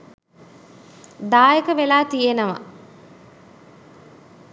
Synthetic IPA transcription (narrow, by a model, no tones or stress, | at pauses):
d̪aːjekəʋelaːt̪ijenɐʋɐ̰